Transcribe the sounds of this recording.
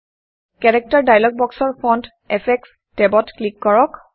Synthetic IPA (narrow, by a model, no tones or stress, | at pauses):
kɛɹɛk̚taɹdajlɔɡ̚bɔksɔɹpʰɔnd | ɛpʰɛks | tɛbɔtklikːɔɹɔk